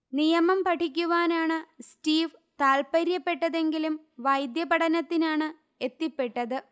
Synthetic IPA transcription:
nijɐmɐmpɐʈʰikʲːuʋaːnaːɳɨsʈiːʋt̪aːlpɐɾjɐpːe̞ʈːɐðe̞ŋɡilum | ʋɐjd̪jɐpɐʈʰɐnɐt̪ːinaːɳɨ | e̞t̪ːipːe̞ʈːɐðɨ

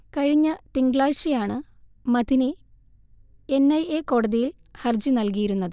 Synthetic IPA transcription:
kɐɻiɲːɐt̪iŋɡɭaːɻɕijaːɳɨmɐðini | enːɐjeːko̞ːɽɐðijil | hɐrd͡ʑinɐlkijiɾunːɐðɨ

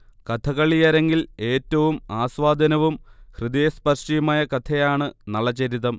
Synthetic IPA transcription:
kɐt̪ʰɐkɐɭijaːɾe̞ŋɡile̞ːtːɐʋumaːsʋaːd̪ʱɐnɐʋumhrɨd̪ijespɐrʂijumaːjɐkɐt̪ʰejaːɳɨnɐɭːɐt͡ɕːeɾit̪ɐm

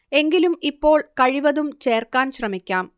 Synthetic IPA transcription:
e̞ŋɡilumipːo̞ːɭkɐɻiʋɐðumt͡ɕe̞ːrkaːnɕrɐmikʲːaːm

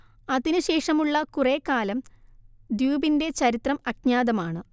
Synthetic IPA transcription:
ɐðinɨɕe̞ːʂɐmuɭːɐkureːkːaːlɐm | d̪juːbinde̞t͡ɕɐɾit̪rɐmɐɡɲaːðɐmaːɳɨ

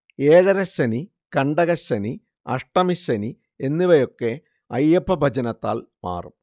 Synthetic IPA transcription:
eːɻɐɾɐɕɐni | kɐɳɖɐɣɐɕɐni | ɐʂʈɐmiɕɐni | enːiʋɐjo̞kːe̞ | ɐjːɐpːɐbʱɐd͡ʑɐnɐt̪ːa̰ːlma̰ːrum

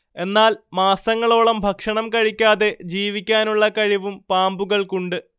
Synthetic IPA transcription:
e̞nːaːlmaːsɐŋːɐɭo̞ːɭɐmbʱɐkʂɐɳɐmkɐɻikʲːaːðe̞d͡ʑiːʋikʲːaːnuɭːɐkɐɻiʋumpaːmbuɣɐɭkuɳɖɨ

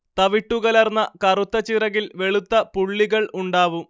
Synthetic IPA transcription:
t̪ɐʋiʈːuɣɐlɐrnːɐkɐrut̪ːɐt͡ɕːirɐɣilʋe̞ɭut̪ːɐpuɭːiɣɐɭuɳɖaːʋum

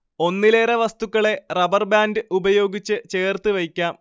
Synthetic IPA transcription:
o̞nːileːɾɐʋɐst̪ukːɐɭe̞rɐbɐrbaːndɨʔubɐjo̞ːɡit͡ɕːɨt͡ɕeːrt̪ɨʋɐjkʲːaːm

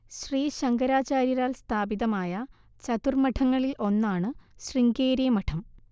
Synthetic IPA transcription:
ɕriːɕɐŋɡɐɾaːt͡ɕaːɾjiɾaːlst̪ʰaːbiðɐmaːjɐ | t͡ɕɐt̪urmɐʈʰɐŋːɐɭilo̞nːaːɳɨɕriŋɡeːɾijɐmɐʈʰɐm

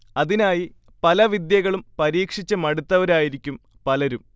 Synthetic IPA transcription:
ɐðinaːji | pɐlɐʋid̪jɐɣɐɭumpɐɾiːkʂit͡ɕːɐmɐɽut̪ːɐʋɐɾaːjiɾikʲːum | pɐlɐɾum

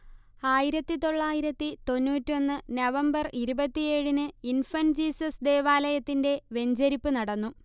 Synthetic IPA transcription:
aːjiɾɐt̪ːit̪o̞ɭːaːjiɾɐt̪ːit̪o̞nːuːtːio̞nːɨnɐʋɐmbɐriɾubɐt̪ːije̞ːɻinɨinfɐnd͡ʑiːsɐsd̪e̞ːʋaːlɐjɐt̪ːinde̞ʋe̞ɲd͡ʑɐɾipːɨnɐɽɐnːu

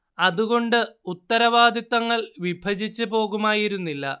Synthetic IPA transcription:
ɐðuɣo̞ɳɖɨut̪ːɐɾɐʋaːd̪ʱit̪ːɐŋːɐɭʋibʱɐd͡ʑit͡ɕːɨpo̞ːɣumaːjiɾunːilːɐ̰

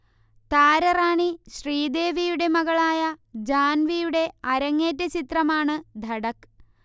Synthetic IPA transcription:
t̪aːɾɐraːɳiɕriːd̪e̞ːʋijuɽe̞mɐɣɐɭaːjɐd͡ʑaːnʋijuɽe̞ɐɾɐŋːeːtːɐt͡ɕit̪rɐmaːɳɨd̪ʱɐɽɐk

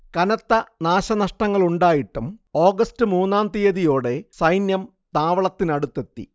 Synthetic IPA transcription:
kɐnɐt̪ːɐnaːɕɐnɐʂʈɐŋːɐɭuɳɖaːjiʈːumo̞ːɡɐstɨmuːnːaːnt̪ijɐðijo̞ːɽe̞sɐjnjɐm | t̪aːʋɐɭɐt̪ːinɐɽut̪ːe̞t̪ːḭ

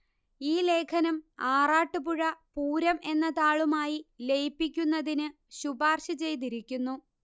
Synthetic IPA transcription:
iːle̞ːkʰɐnɐmaːraːʈːɨpuɻɐpuːɾɐmʔe̞nːɐt̪aːɭumaːjilejpːikʲːunːɐðinɨ | ɕubaːrɕɐt͡ɕe̞jt̪̬iɾikʲːunːu

